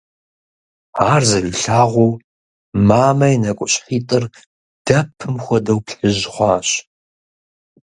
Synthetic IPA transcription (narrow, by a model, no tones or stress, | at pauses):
aːrzɐliːɬaːʁʷɔw | maːmɐjnɐkʷʼʊɕʼħiːtʼɨr | d̥ɐpʰɨmxʷɔdɐwpɬɨʑʁʷɑːɕ